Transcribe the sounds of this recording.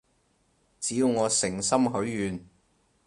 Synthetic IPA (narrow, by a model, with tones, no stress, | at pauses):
t͡siː˨˥ju˧wŋɔː˨˧sɪ˨˩ŋsɐ˥mɦɵ˨˥ɥjyː˨n